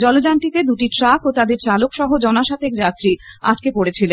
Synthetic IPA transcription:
d͡ʑɔlod͡ʑanʈit̪ed̪uʈiʈɾakot̪ad̪eɾt͡ɕalokʃɔɦod͡ʑɔnaʃat̪ʰekd͡ʑat̪ɾia̰ʈ̚kepoɽet͡ɕʰile

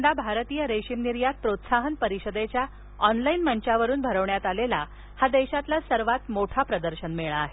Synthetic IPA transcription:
d̪abʱaɾt̪iːjəɾeɕimniɾjat̪̚pɾot̪saɦənpəɾiɕəd̪et͡ɕja | ɔnlainməɳt͡ɕaʋəɾuːnbʱəɾəʋɳjat̪alela | had̪eɕat̪lasəɾʋat̪moʈʰapɾəd̪əɾɕənmeɭaːɦe

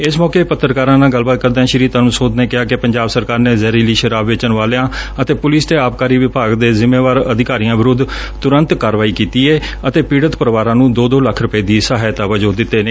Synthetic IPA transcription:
ɪsmɔːkeːpət̪ːəɾkaːɾãːnaːɡəlbaːt̪̚kəɾd̪ɛ̃ːʃɪɾiːt̪əɾmsoːd̪nẽːkɪaːkɪpəɲd͡ʒaːbsəɾkaːɾneːzɛːɾiːliːʃəɾaːbʋɪt͡ʃənʋaːleːãːət̪eːpʊlɪːst̪eːaːp̚kaːɾiːʋɪbaːɡd̪eːzɪmeːʋaːɾəd̪ɪkaːɾijãːʋɪɾʊd̪ | t̪ʊɾə̃nt̪kaːɾʋaːiːkiːt̪iːeː | ət̪eːpiːɽət̪pəɾʋaːɾãːnũːd̪oːd̪oːləkʰɾʊpeːd̪iːsaːɦːjt̪aːʋəd͡ʒoːd̪ɪt̪ːeːne

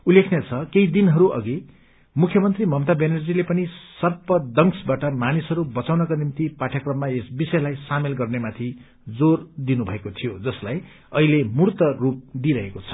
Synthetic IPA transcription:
ulːekʰnjet͡sʰʌkeid̪inɦʌɾuʔʌ̰ɡi | mukʰjʌmʌnt̪rimʌmt̪abenʌrd͡zilepʌnisʌrpʌd̪ʌŋsbaʈʌmanisɦʌɾubʌt͡sawnʌkanimt̪ipaʈʰjakrʌmːaesbisʌjlajsamelɡʌrnemat̪ʰi | d͡zord̪inubʱʌekot̪ʰijod͡zʌslaj | ʌɦilemurt̪ʌrup̚d̪iɾʌɦekot͡sʰʌ̥

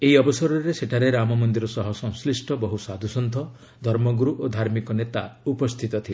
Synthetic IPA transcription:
eɦiɔbɔsɔɾɔɾeseʈʰaɾeɾamɔmɔnd̪iɾɔsɔɦɔsɔ̃w̃slisʈʰɔbɔɦusad̪ʱusɔnt̪ʰɔ | d̪ʱɔɾmɔɡuɾuʔod̪ʱaɾmikɔnet̪aupɔst̪ʰit̪ɔt̪ʰile

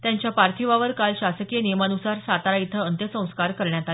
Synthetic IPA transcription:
t̪jaɲt͡ɕjapaɾt̪ʰiʋaʋəɾkalɕasəkijənimanusaɾsat̪aɾait̪ʰəənt̪jəsə̃w̃skaɾkəɾɳjat̪a

